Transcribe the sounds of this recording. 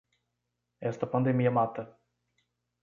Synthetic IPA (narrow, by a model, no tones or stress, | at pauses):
ɛst̪apand̪emijamat̪ə